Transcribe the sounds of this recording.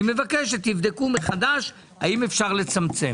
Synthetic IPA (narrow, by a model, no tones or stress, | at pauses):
me̞vakeʃet̪ːivd̪ekumeχad̪aʃ | aimefʃaʁle̞t͡samt͡se̞